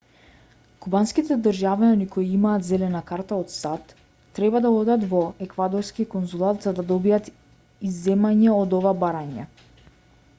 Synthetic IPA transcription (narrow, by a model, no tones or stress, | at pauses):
kubanskit̪ɛd̪ɾʒaviɔnikʰojiimaːt̪zɛlɛnakaɾt̪aɔt̪sat̪ː | ɾɛbad̪aɔd̪at̪vɔɛkvad̪ɔɾskikɔnzulˠat̪zad̪ad̪ɔbiat̪ | izːɛmaɲɛɔd̪ɔvabaɾaɲɛ̰